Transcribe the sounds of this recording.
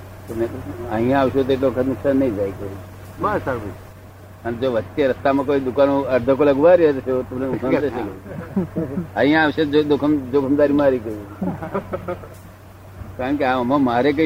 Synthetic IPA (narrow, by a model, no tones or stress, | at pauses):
t̪oneəɦĩjãaʋʃut̪oeʈ̬loʋəkʰət̪nʊkʃanːəĩd͡ʒajkəɾu | basaɾb | ənd͡ʒoʋət̪ːeɾəst̪amãkoid̪ukanõəɾd̪ʱəkolaɡuʋaɾiet̪ʃot̪əmnekʰaeʃelo | əɦijãːʋʃed͡ʒod̪okʰəmd͡ʒokʰəmd̪aɾimãːɾikəɾ | kaɾəɳkeãəmãmaɾek̬ə